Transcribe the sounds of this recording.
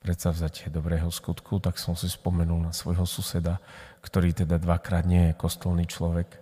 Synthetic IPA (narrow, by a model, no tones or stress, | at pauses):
pɾɛt̪savzacɛd̪ɔbɾɛːɦɔskut̪kʰut̪aksɔmsispɔmɛnulnasʋɔjɦɔsusɛd̪akt̪ɔɾiːt̪ɛd̪ad̪ʋakɾaːd̪ɲɪɛjɛkɔst̪ɔlniːt͡ʃlɔʋɛk